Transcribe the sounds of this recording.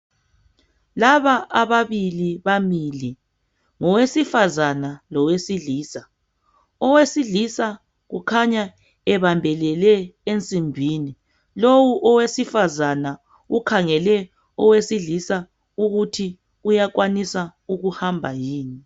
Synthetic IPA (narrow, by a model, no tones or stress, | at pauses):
laβaʔaβaβiliβamili | ŋɔwesifazanalɔwesiɮiːsa | ɔwesiɮisa | ɣukʰaɲa | ɛβambʱɛlɛlɛent͡sʼimbʱiːni | lowuʔɔwesifazana | ukʰaŋɛlɛ | ɔwesiɮisa | uɣutʰi | ujaɣwanisauɣuhambʱajiːni